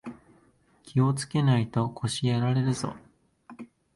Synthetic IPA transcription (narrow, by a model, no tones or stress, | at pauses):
kʲʰio̞t͡sɨ̥ke̞nait̪o̞kʰo̞ɕieɾaɾe̞ɾɯ̟z̥o̞̰